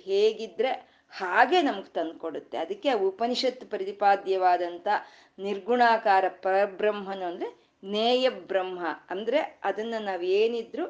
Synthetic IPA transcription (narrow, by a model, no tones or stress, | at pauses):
ɦeːɡid̪ːɾe̞ | haːɡe̞ːnɐmɐɡet̪ɐnd̪̚koɽut̪ːe̞ɐd̪ɐkːeupɐniʃɐt̪ːpɐɾɐt̪ipaːd̪jɐʋaːd̪ɐnt̪ʰɐ | niɾɡuɳaːkaːɾɐpɐɾɐbɾɐmɦɐnuɐnd̪ɐɾe | neːjɐbɾɐmɦɐɐnd̪ɐɾe̞ɐd̪ɐnːɐnaːʋeːnid̪ɾu